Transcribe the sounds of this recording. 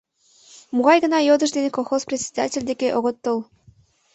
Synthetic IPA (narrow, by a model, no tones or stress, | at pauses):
muɣɑjɣə̆nɑjod̪ə̆ʒd̪enekolˠxosprʲet̪ʲsʲe̥d̪atʲelʲd̪ekeʔoɣot̪ːolˠ